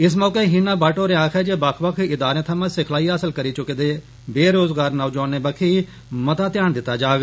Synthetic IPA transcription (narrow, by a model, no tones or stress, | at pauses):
ɪs̬mɔːkeːɦiːnaːbaːʈoːɾeaːkʰɛːd͡ʒebakʰbəkʰɪd̪aːɾẽːt̪ʰəmãːsɪkʰlaːiːəːsəlkəɾiːt͡ʃʊked̪eː | beːɾoːzɡaːɾnəːd͡ʒoːnːeːbəkʰiː | mət̪aːt̪jaːnd̪ɪt̪ːaːd͡ʒaːɡ